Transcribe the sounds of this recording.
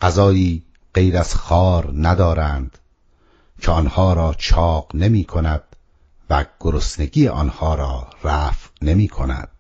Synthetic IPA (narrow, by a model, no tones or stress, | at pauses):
ɢæzɒːjiː | ɢ̥ejɾæz̥xɒːɾnæd̪ɒːɾænd̪̥ | cʰeɒːnhɒːɾɒːt͡ʃʰɒːqne̞miːkʰonæd̪̥ | væɡ̥oɾosne̞ɡiːjeʔɒ̰ːnhɒːɾɒːɾæːfne̞miːkʰonæ̰d̪̥̚